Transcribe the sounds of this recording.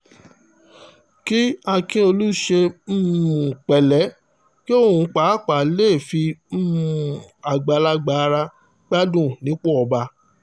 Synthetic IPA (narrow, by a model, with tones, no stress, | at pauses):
ki˦a˧kĩ˦o˧lu˦ʃe˧m̩˦mũ˨k͡pɛ˨lɛ˨˦ | ki˦o˦˨ũ˧k͡pa˨˦˨k͡pa˨˦le˦˨fi˧m̩˦mũ˨a˨ɡ͡ba˨˧la˧ɡ͡ba˧˦˧ɾa˧ | ɡ͡ba˦dũ˦˨nĩ˨˦k͡pɔ˦ɔ˧ba˧